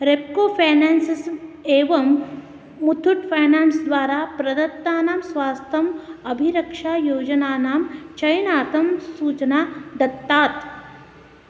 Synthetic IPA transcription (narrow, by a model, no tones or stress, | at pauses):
ɾep̚koːfʰaːnɛːnsiseːʋɐmː | ut̪ʰuʈfajnaːnsd̪ʋaːɾapɾɐd̪ɐt̪ːaːnaːmsʋaːst̪ʰɐmɐbʱiɾɐkʂaːjoːd͡ʒənaːnaːmt͡ʃɐjnaːt̪ɐmsuːt͡ʃnaːd̪ɐt̪ːaːt̪